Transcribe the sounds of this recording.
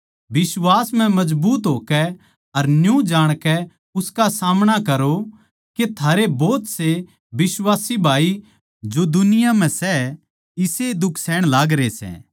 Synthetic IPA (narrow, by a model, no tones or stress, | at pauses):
bɪswaːsm̤ɛ̃mɐd͡ʒbuːt̪ɦoːkɛ | ɐɾnjũd͡ʒaːɽ̃kɛ | ʊskasaːmɽ̃akɐɾo | ket̪ʰaːɾebɔːt̪se | bɪswaːsibʱaːi | d͡ʒod̪ʊnɪjam̤ɛ̃sɛ | ɪsed̪ʊkʰsɛːɽ̃laːɡɾesɛ̰̃ː